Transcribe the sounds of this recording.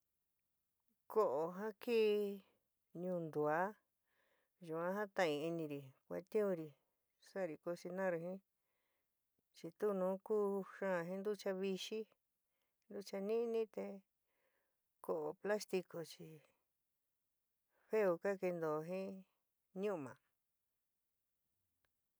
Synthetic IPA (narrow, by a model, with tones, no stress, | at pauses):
ko˧ʔo˨ɦã˦kiː˦ | ɲũː˧nd̪u˨a˦ | ʒu˨ã˦ɦã˦t̪ã˧ĩ˧i˧nĩ˧ɾi˨kʷa̰˧˦t̪ĩ˦ũ˧ɾi˧ | sa˦˨˧ɾi˧ko˧si˧nã˦ɾu˧ɦĩ˦ | t͡ʃi˧t̪u˦nũː˨˦kuː˦ʃã˦˧ɦĩ˦nd̪u˦t͡ʃa˧βi˧ʃi˦ | nd̪u˦t͡ʃa˧nĩ˦˧nĩ˦t̪e˧ | ko˨ʔo˧pla˦st̪i˧ko˧t͡ʃi˧ | ɸe˦u˧ka˦ke˧nd̪o˨˧ɦĩ˦ | ɲũ˦˧mã̰˨